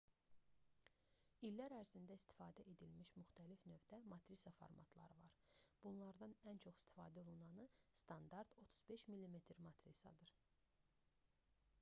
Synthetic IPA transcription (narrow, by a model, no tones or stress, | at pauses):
ilːæɾæɾzind̪æist̪ʰi̥fɑːd̪æʔe̞d̪ilmiʃmyxt̪ʰælifnø̞vd̪æmɑt̪ɾisɑfo̰ɾmɑ̰t̪ʰlˠɑ̰ɾɯvɑ̰ɾb̥unlˠɑɾd̪ɑnænt͡ʃʰo̞χi̥st̪i̥fɑ̰ːd̪æo̞lˠunɑnɯst̪ʰɑnd̪ɑɾd̪̥o̞t̪ʰu̥zbe̞ʃmilːime̞t̪ʰɾmɑt̪ʰɾḭsɑ̰d̪ɯɾ